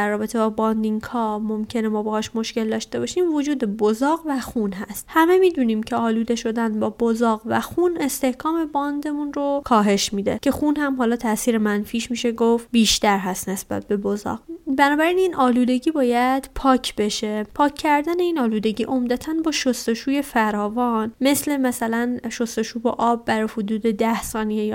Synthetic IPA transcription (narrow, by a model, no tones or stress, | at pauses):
æɾːɒːbe̞t̪ʰe̞bɒːbɒnd̪iŋɡhɒːmomcʰe̞nemɒːbehɒːʃmo̞ʃce̞ld̪ɒːʃt̪e̞bɒːʃiːmvod͡ʒuːd̪e̞bozɒːɣvæxunɦæst̪hæme̞miːd̪uniːmcʰeɒːluːd̪eʃo̞d̪ænbɒːbozɒːɣvæ̰xune̞st̪e̞hkʰɒːme̞bɒnd̪e̞munɾokʰɒːɦe̞ʃmiːd̪ḛcʰe̞xunhæmɦɒːlɒːt̪ʰæʔsiːɾemænfiːʃmiːʃe̞ɡofbiːʃt̪æɾɦæst̪ne̞sb̥æ̰t̪̚ʰbe̞bozɒ̰ːɡbænɒːbæɾiːniːnʔɒːluːd̪e̞ɟiːbɒːjæd̪̥pʰɒːcʰbe̞ʃe̞pʰɒːcʰːæɾd̪æne̞iːnɒːluːd̪e̞ɟiːʔo̞md̪æt̪ʰænbɒːʃost̪o̞ʃuːje̞fæɾɒːvɒnme̞sle̞mæsælænʃo̞st̪o̞ʃuːbɒʔɒːbːæɾɒjhod̪uːd̪e̞d̪æhsɒːnijej